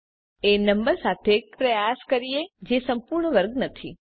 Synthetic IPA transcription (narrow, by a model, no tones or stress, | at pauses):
enəmbəɾsat̪ʰepɾəjaskəɾied͡ʒesəmpuɾɳəʋəɾɡnət̪ʰi